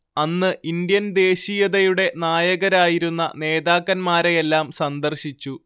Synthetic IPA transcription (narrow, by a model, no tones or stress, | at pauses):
ɐnːɨʔind̪jɐnd̪e̞ːɕijɐðɐjuɽe̞naːjɐɣɐɾaːjiɾunːɐ̰ne̞ːðaːkːɐnmaːɾejelːaːmsɐnd̪ɐrɕit͡ɕːu